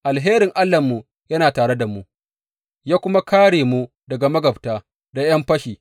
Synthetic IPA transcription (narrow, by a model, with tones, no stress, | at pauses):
ʔa˨lɦeː˦ɾɪ˨ŋʔa˦lːɐ˨mːu˨ | jɐ˦naː˨taː˨ɽe˦da˨mu˦ | jaː˦kʷʊ˦ma˦kaː˦ɽeː˨mu˦ | dɐ˨ɡa˨mɐ˦ɡɐ˨btaː˦˨ | da˨j̰ɐ˦mɸɐ˦ʃiː˨